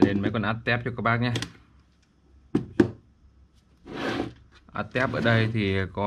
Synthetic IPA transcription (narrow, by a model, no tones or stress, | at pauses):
liənmɛːkonʔat̪ːɛap̚t͡ɕuokːəɓaːk̚ɲa | ʔa̰t̪ːɛap̚ɓə̰ːɗəjt̪ʰiəko